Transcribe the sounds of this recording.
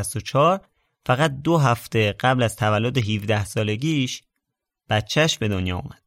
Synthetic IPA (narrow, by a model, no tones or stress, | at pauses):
st̪ot͡ʃʰɒːɾ | fæɣæt̪̚d̪oɦæft̪e̞ɢ̥æblæzt̪ʰævælːod̪eɦivd̪æhsɒːle̞ɟiːʃ | b̥æt̪̚t͡ʃʰæʃbe̞d̪o̞njɒ̰ːṵmæd̪̥̚